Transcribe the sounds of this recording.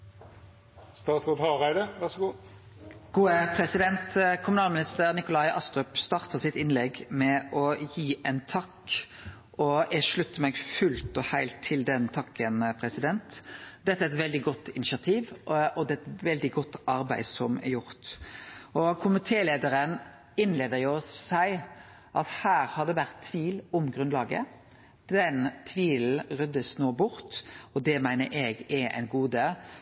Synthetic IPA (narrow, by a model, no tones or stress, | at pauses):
st̪ɑːt̪sʁoːd̪hɑʁæɪd̪əʋæsɡuː | ɡ̥uːəpʰɾɛsɪd̪ɛnt̪kʰʊmʉnɑːlmɪnɪst̪əʁnɪkʊlɑɪʔɑ̰st̪ʁœpst̪ɑːʁt̪əsɪt̪ːɪnlɛɡmɛʔɔjiːʔɛɪnt̪ʰɑkː | ʔɔɛʂɭʉt̪ːəmɛɡfʉlt̪ɔhæɪlt̪ʰːɪld̪ɛnt̪ʰɑkʰːənpʰʁɛsɪd̪ɛnt̪d̪ɛt̪ːəæɛt̪ʋɛld̪ɪɡɔt̪ːɪnɪʃɑt̪ʰiːʋɔd̪ɛt̪ʋɛld̪ɪɡɔt̪ːʔɑɾbæ̰ɪsɔmɛjʊɾt̪ | ɔkʰʊmɪt̪ʰeːleːd̪əɾən | ɪnleːd̪əɾjʊsæɪ | ʔɑt̪hæːɾhɑd̪ɛʋæɾt̪ʰːʋiːlʊmɡɾʉnlɑːɡə̰ | d̪ɛnt̪ʰʋiːl̩ɾœd̪əsnoːbʊɾt̪ɔd̪ɛmæɪnəɾʔɛɡɛɛ̰ɪnɡuːd̪ə